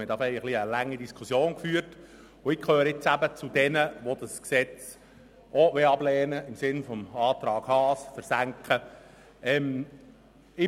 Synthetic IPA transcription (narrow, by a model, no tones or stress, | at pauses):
məd̪ɑfɛɪəχliəlæŋːidiskʰʊsjoːnkfyːrt | ʊɪkʰøːɾəɪt͡sæbət͡sʊd̥ɛnəʋod̥əsksɛt͡s | oʋeɑblɛːnəɪmsɪnfɔmɑːt̪ɾɑːɡhɑːsfəɾsæŋkχə | ɛm | ɪ